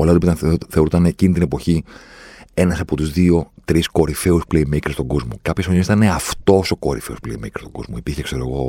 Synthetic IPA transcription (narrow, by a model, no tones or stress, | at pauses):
olɐt̪opit̪ɐθeoɾut̪ɐnecinit̪ine̞po̞çi | e̞nɐsɐpo̞t̪uzðio̞t̪ɾisko̞ɾife̞uspleimikɾist̪oŋɡo̞zmo̞̰kɐpçɐsfoɲesit̪ɐneɐft̪o̞so̞ko̞ɾifeospleimikɾi̥st̪oɡo̞zmoipiɾçekse̞ɾoɣo̞